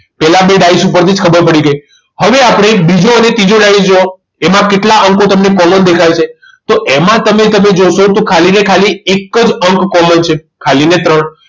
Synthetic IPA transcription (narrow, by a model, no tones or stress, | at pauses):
pɛlabeɖaisupəɾt̪ʰid͡ʒkʰəbəɾpəɽiɡəj | həʋeapɽ̃ebid͡ʒoənet̪id͡ʒoɖaisd͡ʒo | emãkeʈlaʔəŋkõt̪əmnekɔmənd̪ekʰajt͡ʃʰe | t̪oʔemãt̪əmet̪əmed͡ʒoʃot̪okʰalinekʰaliekːəd͡ʒəŋkːɔmənt͡ʃʰe | kʰalinet̪ɾəɳ